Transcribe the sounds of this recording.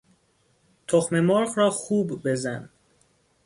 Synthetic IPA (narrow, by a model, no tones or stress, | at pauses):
t̪ʰoxme̞mɒːɾɣɾɒːxuːbːe̞zæn